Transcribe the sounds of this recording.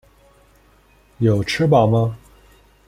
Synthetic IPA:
jo˨˩ʊʈ͡ʂʰɻ̩˥pɑ˨˩ʊmɐ˦

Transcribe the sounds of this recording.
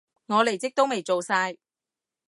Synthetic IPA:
ŋɔː˨˧le˨˩jt͡sɪ˥k̚t̪o˥wme˨jt͡ʃo˨wsaː˧j

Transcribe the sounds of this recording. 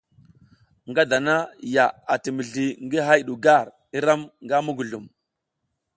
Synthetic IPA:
ŋɡa˦da˨na˦ja˨a˨ti˨mə˨ɮi˨ŋɡi˦ɦa˦jɗu˨ɡa˦˨ɾ | i˦ɾa˦mŋɡa˦mu˦ɡu˨ɮu˨m

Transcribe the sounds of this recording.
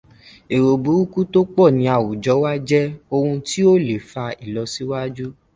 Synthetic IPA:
e˨ɾo˨bu˨˦u˦ku˦to˦k͡pɔ˦˨nĩ˨˦a˨wu˨d͡ʒɔ˨˦wa˦d͡ʒɛ˦o˧hũ˧ti˦o˦le˨fa˧i˨lɔ˧si˦wa˦d͡ʒu˦

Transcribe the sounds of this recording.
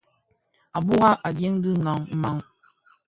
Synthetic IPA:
a˨bu˦ɣa˦ʔa˨bje˦ŋdɨ˦nɔ˨ŋ̩˦ma˨ŋ

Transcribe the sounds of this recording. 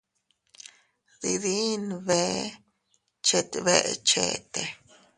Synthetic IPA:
d̪i˧d̪i˦nbe˧˨ | t͡ʃe˧t̪be˧t͡ʃe˨t̪e˨

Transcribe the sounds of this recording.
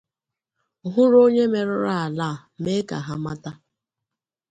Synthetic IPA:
ɦʊ˦ɾo˦ɲe˦me˨ɾʊ˦ɾa˦a˨la˦˨me˦ka̰˨ɦa˦ma˦ta˦

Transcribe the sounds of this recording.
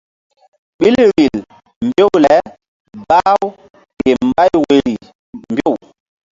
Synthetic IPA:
ɓi˦lɾi˨l | m˨bjo˦wlɛ˨ | ba˦w | ke˨mba˦jwe˨ɾi˨ | mbjo˦˨w

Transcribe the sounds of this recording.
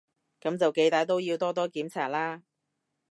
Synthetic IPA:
kɐ˨˥mt͡sɐ˨wke˨˧jt̪aː˨˧˥jt̪o˥wjiː˧wt̪ɔː˥t̪ɔː˥kiː˨˥mt͡sʰaː˨˩t̚laː˥

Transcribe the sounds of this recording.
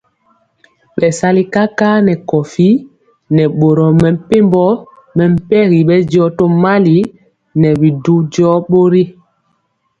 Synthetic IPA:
ɓɛ˨sa˦li˦ka˦ka˦nɛ˨kɔ˨fi˦ | nɛ˨ɓo˨ɾɔ˨mɛ˨m̩˦pe˦mbɔ˦ | mɛ˨m̩˦˨pɛ˦ɣi˨ɓɛ˦d͡ʒɔ˦to˦ma˦li˨˦ | nɛ˨bi˨du˦d͡ʒɔ˦ɓo˦ɾi˦

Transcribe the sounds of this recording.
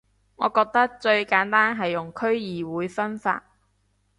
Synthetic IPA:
ŋɔ̰ː˨˧kɔː˧k̚t̪ɐ˥k̚t͡ʃɵ˧ɥkaː˨˥nt̪aː˥nɦɐ˨jːʊ˨ŋkʰɵ˥ɥjiː˨wuː˨˧jfɐ˥nfa̰ː˧t̚

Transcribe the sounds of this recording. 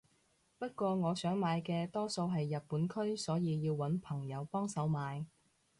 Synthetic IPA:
pɐ˥t̚kʷɔː˧ŋɔː˨˧sœː˨˥ŋmaː˨˧jkɛː˧t̪ɔː˥so˧wɦɐ˨jːɐ˨t̚puː˨˥nkʰɵ˥ɥsɔː˨˥jiː˧jiː˧wwɐ˨˥npʰɐ˨˩ŋjɐ˨˧wpɔː˥ŋsɐ˨˥wmaː˨˧j

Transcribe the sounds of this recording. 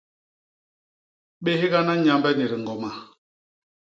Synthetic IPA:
ɓe˦hi˦ɣa˦na˦ɲa˨mbɛ˦ne˨ɾi˨ŋ˨ɡɔ˨ma˨

